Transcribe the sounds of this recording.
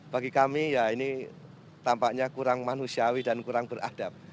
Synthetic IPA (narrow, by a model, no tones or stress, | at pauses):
b̥aɡikamijaini | t̪ampaʔɲakuɾaŋmanusiawidankuɾaŋbəra̰d̥ap̚